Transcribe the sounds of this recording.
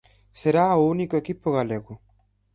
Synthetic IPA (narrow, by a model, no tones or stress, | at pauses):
seɾaːounikoekipːoɣaleɣu